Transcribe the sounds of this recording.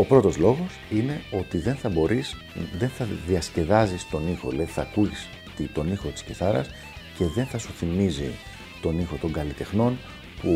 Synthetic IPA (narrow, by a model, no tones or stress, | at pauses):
o̞pɾo̞t̪o̞zlo̞ɣo̞sine̞o̞t̪iðe̞nθɐbo̞ɾis | ðe̞nθɐðiɐsce̞ðɐzist̪o̞nixo̞leiθɐːkuʝis | t̪it̪o̞nixo̞t̪i̥sceθɐɾɐs | ce̞ðe̞nθɐsuθimizi | t̪o̞nixo̞t̪o̞ŋɡɐlit̪e̞xno̞n | pu